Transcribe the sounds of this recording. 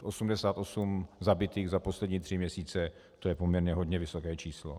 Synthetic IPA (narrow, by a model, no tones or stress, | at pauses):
ʔo̞sumdɛsaːt̪ʔo̞sumzabɪt̪iːɣzapo̞slɛdɲiːt̪r̝̥ɪmɲɛsiːt͡sɛ | t̪ojɛpo̞mɲɛɾɲɛɦo̞dɲɛvɪsokɛːt͡ʃiːslo̰